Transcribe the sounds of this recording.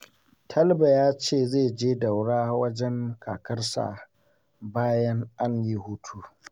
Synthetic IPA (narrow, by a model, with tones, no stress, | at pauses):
tʰɐ˦lba˨jaː˦t͡ʃeː˦˨zeː˦˨d͡ʒeː˦da˨wɽaː˦wɐ˦d͡ʒɛ˦ŋkʰaː˨kɐ˦rsa̰˨ | baː˦jɐ˦ŋʔa˦ɲji˦huː˦tʰuː˦